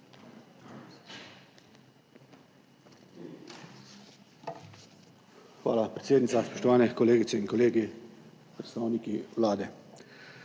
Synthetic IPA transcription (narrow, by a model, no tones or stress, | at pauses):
xʋa̰ːlapɾɛt̪seːd̪nit̪saspɔ̥ʃt̪ɔʋaːnɛkɔleːɡit̪sɛinkɔleːɡi | pɾɛt̪st̪aːwnikiwlaːd̪ɛ